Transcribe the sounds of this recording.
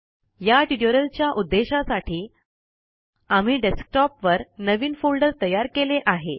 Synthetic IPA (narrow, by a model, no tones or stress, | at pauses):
jaʈiɽjoɾəlt͡ɕjaʔud̪ːeɕasaʈiː | am̤iːɖesk̚ʈɔpʋəɾnəʋiːnfolɖəɾt̪əjaɾkeleʔaɦe